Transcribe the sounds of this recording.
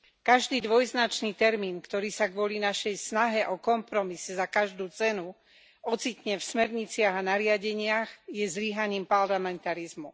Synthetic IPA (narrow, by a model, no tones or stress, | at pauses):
kaʒd̪iːd̪ʋɔjznat͡ʃniːt̪ɛɾmiːnkt̪ɔɾiːsaɡʋʊɔlinaʃɛjsnaɦɛʔɔkɔmpɾɔmisɛzakaʒd̪uːt͡sɛnu | ɔt͡sicɲɛfsmɛɾɲit͡sɪaɣanaɾɪaɟɛɲɪaɣjɛzliɦaɲiːmpaɾlamɛnt̪aɾizmu